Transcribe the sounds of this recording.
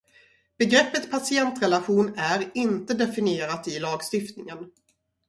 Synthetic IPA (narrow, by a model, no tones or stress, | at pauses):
b̥ɛɡɾɛpːət̪pʰasɪɛnt̪ɾɛlaɧuːnæɾɪnt̪əd̪ɛfɪnɪeːɾat̪ɪlɑːɡst̪ɪft̪nɪŋən